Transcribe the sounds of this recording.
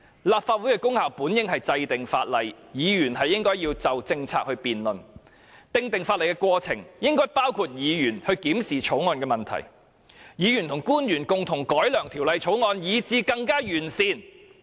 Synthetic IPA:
laː˨p̚faː˧t̚wuː˨˥jkɛ˧kʊ˥ŋhaː˨wpuː˨˥njɪ˥ŋhɐ˨jt͡sɐ˧jt̪ɪ˨ŋfa̰ː˧t̚lɐ˨j | jiː˨˧jyː˨˩nɦɐ˨jːɪ˥ŋkɔː˥jiː˧wt͡sɐ˨wt͡sɪ˧ŋt͡sʰa̰ː˧k̚hɵ˧ɥpiː˨nlɵ˨n | t̪ɪ˧ŋt̪ɪ˨ŋfaː˧tlɐ˨˩jkɛ˧kʷwɔː˧t͡sʰɪ̰˨˩ŋjɪ˥ŋkɔː˥jpaː˥wkʰuː˧t̚jiː˨˧jyː˨˩nhɵ˧ɥkiː˨˥msiː˨t͡ʃʰo˨˥wŋɔː˧nkɛː˧mɐ˨˩nt̪ʰɐ̰˨˩j | jiː˨˧jy˨˩nt̪ʰʊ˨˩ŋkuː˥njyː˨˩nkʊ˨ŋt̪ʰʊ˨˩ŋkɔː˨˥jlœː˨˩ŋt̪ʰi˨˩wlɐ˨˧jt͡ʃʰo˨˥wŋɔː˧njiː˨˧t͡siː˧kɐ˧ŋkaː˥jyː˨˩nsiː˨˧n

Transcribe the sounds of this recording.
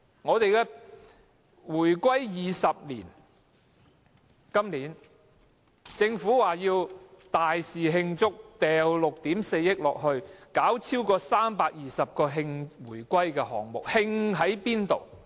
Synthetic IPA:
ŋɔː˨˧t̪e˨jkɛː˧ | wuː˨˩jkʷɐ˥jjiː˨˩sɐ˨p̚liː˨˩n | kɐ˥mliː˨˥n | t͡sɪ˧ŋfuː˨˥waː˨˩jiː˧wt̪aː˨jsiː˨ɦɪ˧ŋt͡sʊ˥k̚t̪ɛː˨wlʊ˨k̚t̪iː˨˥mse˧jːɪ˥k̚lɔ̰ː˨k̚hɵ˧ɥkaː˨˥wt͡sʰiː˥wkɔː˧saː˥mpaː˧k̚jiː˨sɐ˨p̚kɔː˧ɦɪ˧ŋwuː˨˩jkʷɐ˥jkɛː˧hɔː˨˩ŋmʊ̰˨k̚hɪ˧ŋɦɐ˨˥jpiː˥nt̪o˨w

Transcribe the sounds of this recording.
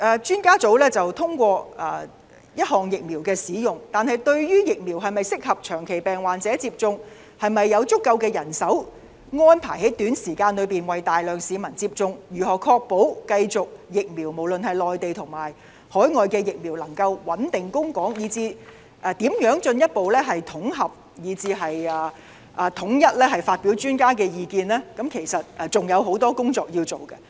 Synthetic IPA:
ʔɛː˨˧t͡ʃyː˥nkaː˥t͡so˨˥wlɛː˥t͡sɐ˨wt̪ʰʊ˥ŋkʷɔː˧ɛː˨˧ | jɐ˥t̚ɦɔː˨˩ŋjɪ˨k̚miː˨˩wkɛː˧siː˨˥jʊ˨ŋt̪aː˨nhɐ˨jt̪ɵ˧ɥjyː˥jɪ˨k̚miː˨˩wɦɐ˨jmɐ˨jsɪ˥k̚hɐ˨p̚t͡ʃʰœː˨˩ŋkʰe˨˩jpɛː˨˩ŋwaː˨nt͡sɛː˨˥t͡siː˧p̚t͡sʊ˧ŋ | hɐ˨jmɐ˨jːɐ˨˧wt͡sʊ˥kːɐ˧wkɛː˧jɐ˨˩nsɐ˨˥w | ŋɔː˥npʰa̰ː˨˩jhe˨˥jt̪yː˨˥nsiː˨˩kaː˧nlɵ˨˧ɥpiː˨nwɐ˨jt̪aː˨jlœː˨˩ŋsiː˨˧mɐ˨˩nt͡siː˧p̚t͡sʊ˧ŋjyː˨˩ɦɔː˨˩kʰɔː˧k̚po˨˥wkɐ˧jt͡sʊ˨k̚jɪ˨k̚miː˨˩wmo˨˩wlɵ˨nhɐ˨jlɔː˨jt̪e˨jt̪ʰʊ˨˩ŋmaː˨˩j | hɔː˨˥jŋɔː˨jkɛː˧jɪ˨k̚miː˨˩wlɐ˨˩ŋkɐ˧wwɐ˨˥nt̪ɪ˨ŋkʊ˥ŋkɔː˨˥ŋjiː˨˧t͡siː˧ | ʔɛː˨˧t̪iː˨˥mjœː˨˥ŋt͡ʃɵ˧njɐ˥t̚po˨wlɛː˥ɦɐ˨jt̪ʰʊ˨˥ŋɦɐ˨p̚ | jiː˨˧t͡siː˧ɦɐ˨jaː˨˧ | ʔaː˨t̪ʰʊ˨˥ŋjɐ˥t̚lɛː˥ɦɐ˨˩jfaː˧t̚pi˨˥wt͡ʃyː˥nkaː˥k̬ɛː˧jiː˨˧kiː˧nlɛː˥kɐ˨˥mkʰe˨˩jsɐ˨t̚ʔɛ˧t͡sʊ˨ŋjɐ˨˧wɦo˨˥wt̪ɔː˥kʊ˥ŋt͡sɔː˧k̚jiː˧wt͡so˨˩wkɐ˧

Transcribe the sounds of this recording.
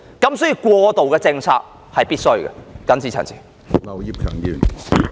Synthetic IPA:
kɐ˨˥msɔ˨˥jiː˨˧kʷwɔː˧t̪o˨wkɛː˧t͡sɪ˧ŋt͡sʰa̰ː˧k̚ | hɐ˨jpiː˥t̚sɵ˥ɥɡɛ̰˨kɐ˨˥nsʰiː˨˥t͡sʰɐ̰˨˩nt͡sʰiː˨˩ | nɐ˨˩wjiː˧p̚kʰœː˨˩ŋjyː˨˩n

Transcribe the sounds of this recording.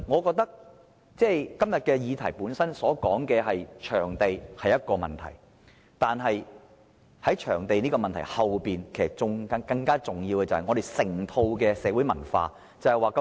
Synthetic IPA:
ŋɔː˨˧kɔː˧k̚t̪ɐ˥k̚ | t͡sɛː˥˩jkɐ˥mjɐ˨t̚kɛː˧jiː˨˧t̪ʰɐ˨˩jpuː˨˥nsɐ˥nsɔː˨˥kɔː˨˥ŋkɛː˧ɦɐ˨jt͡ʃʰœː˨˩ŋt̪e˨jhɐ˨jːɐ˥t̚kɔː˧mɐ˨nt̪ʰɐ̰˨˩j | t̪aː˨nɦɐ˨j | hɐ˨˥jt͡ʃʰœː˨˩ŋt̪e˨jniː˥kɔː˧mɐ˨nt̪ʰɐ˨˩jhɐ˨wpiː˨nkʰe˨˩sɐ˨˩k̚t͡sʊ˨ŋkɐ˧kɐ˧ŋkaː˥t͡sʊ˨ŋjiː˧wkɛ˧t͡sɐ˨whɐ˨jŋɔ˨˧ɾe˨jsɪ˨˩ŋt̪ʰo˧wkɛː˧sɛː˨˧˥wu˨˥jmɐ˨˩nfa̰ː˧ | t͡sɐ˨whɐ˨jwaː˨˧kɐ˥

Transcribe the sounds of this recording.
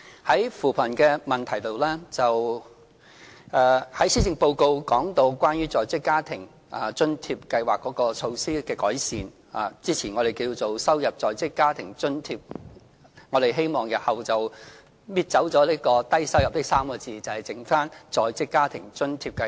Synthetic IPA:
hɐ˨˥jfuː˨˩pʰɐ˨˩nkɛː˧mɐ˨˩nt̪ʰɐ˨˩jt̪o˨wlɛː˥t͡sɐ˨w | ʔɛ˨˧hɐ˨˥jsiː˥t͡sɪ˨˧ŋpo˧wko˧wkɔː˨˥ŋt̪o˧wkʷwaː˥njyː˥t͡sɔː˨jt͡sɪ˥kːaː˥t̪ʰɪ˨˩ŋ | ʔaː˨t͡ʃɵ˥nt̪ʰiː˧p̚kɐ˧jwaː˨˩kːɔː˨˥kɔː˧t͡ʃʰo˧wsiː˥kɛː˧kɔː˨˥jsiː˨n | a̰ː˨t͡siː˥t͡sʰiː˨˩nŋɔ˨˧ɾe˨jkiː˧wt͡so˨wsɐ˥wjɐ˨p̚t͡sɔː˨jt͡sɪ˥kːaː˥t̪ʰɪ˨˩ŋt͡ʃɵ˥nt̪ʰiː˧p̚ | ŋɔː˨˧d̪e˨jɦe˥jmɔː˨˩ŋjɐ˨t̚hɐ˨wt͡sɐ˨w | miː˧t̚t͡sɐ˨˥wt͡sɔː˨˥liː˥kɔː˧t̪ɐ˥jsɐ˥wjɐ˨p̚t̪ɪ˥k̚saː˥mkɔː˧t͡siː˨˧t͡sɐ˨˩hɐ˨˩jt͡sɪ˨˥ŋfaː˥nt͡sɔː˨jt͡sɪ˥kːaː˥t̪ʰɪ˨˩ŋt͡ʃɵ˥nt̪ʰiː˧p̚kɐ˧

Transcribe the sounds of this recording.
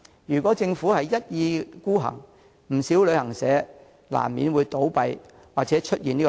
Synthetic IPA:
jyː˨˩kʷɔː˨˥t͡sɪ˧ŋfu˨˥hɐ˨jjɐ˥t̚jiː˨˧kuː˥ɦɐ̰˨˩ŋ | m̩˨˩siː˨˥wlɵ˨˧ɥhɐ˨˩ŋsɛː˨˥ | la̰ː˨˩mːiː˨˥nwuː˨˧jt̪o˨˥wpɐ˧j | waː˨k̚t͡sɛː˨˧˥t͡ʃʰɵ˥t̚jiː˨niː˥k

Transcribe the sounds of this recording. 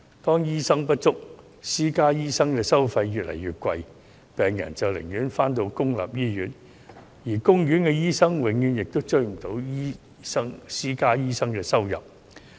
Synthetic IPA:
t̪ɔː˥ŋjiː˥sɐ˥ŋpɐ˥t̚t͡ʃʊ˥k̚ | siː˥kaː˥jiː˥sɐ˥ŋkɛː˧sɐ˥wfɐ˧jːyː˨t̚lʔɐ̰˨˩jɥyː˨t̚kʷɐ˧j | pɛː˨ŋjɐ̰˨˩nt͡sɐ˨wlɪ̰˨˩ŋjyː˨˥nfaː˥nt̪o˧wkʊ˥ŋla̰ː˨p̚jiː˥jyː˨˥n | jiː˨˩kʊ˥ŋjyː˨˥nkɛ˧jiː˥sɐ˥ŋwɪ˨˥ŋjyː˨˧njɪ˨k̚t̪o˥wt͡ʃɵ˥ɥm̩˨˩t̪o˨˥wjiː˥ | sɐ˥ŋsiː˥kaː˥jiː˥sɐ˥ŋkɛː˧sɐ˥wjɐ̰˨p̚

